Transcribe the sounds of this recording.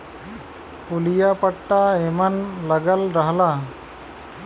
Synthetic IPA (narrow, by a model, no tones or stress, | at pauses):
kulijapəʈːaemanləɡəlɾəɦla